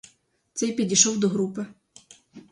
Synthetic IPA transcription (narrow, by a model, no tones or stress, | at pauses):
t̪sɛjpʲidʲijʃɔwd̪ɔɦɾupɪ